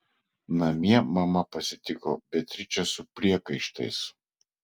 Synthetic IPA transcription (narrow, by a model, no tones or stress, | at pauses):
nɐmʲiɛmɐmɐpɐsʲɪt̪ʲɪko̰ːbʲɛt̪ʲɾʲɪt͡ʃʲɛsʊpʲɾʲiɛkɐɪʃt̪ɐ̰ɪs